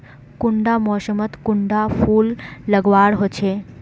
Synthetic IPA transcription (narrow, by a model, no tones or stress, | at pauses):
kuɳɖamɔʃəmət̪kuɳɖafʰulːəɡʋaɾɦot͡ɕʰe